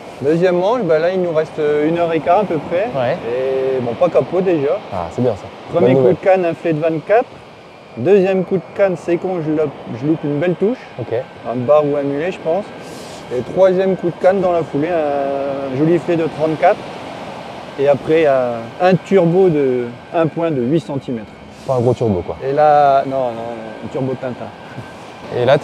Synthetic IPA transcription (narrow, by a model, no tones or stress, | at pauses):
d̪øzjɛmːɑ̃balailnuʁɛst̪ynœʁekaʁɛ̃pøpχɛwɛebɔ̃pakapod̪eʒaa̰sɛbjɛ̃sapχəmjekud̪əkanɛ̃flɛd̪əvɛ̃t̪kat̪χ | d̪øzjɛmkud̪əkansekɔ̃ʒəlɔpʒəlupynbɛlt̪uʃ | oke | ɛ̃baʁuɛ̃myleʒəpɑ̃s | et̪χwazjɛmkud̪əkand̪ɑ̃lafuleɛ̃ːʒoliflɛd̪ət̪χɑ̃t̪kat̪χ | eapχɛjaɛ̃t̪yʁbod̪ə | ɛ̃pwɛ̃d̪əɥisɑ̃t̪imɛt̪χ | paɛ̃ɡʁot̪yʁbokwa̰elanɔ̃ɔ̃ɛ̰̃t̪yʁbop̪ɛ̃t̪ɛ̃ | ḛla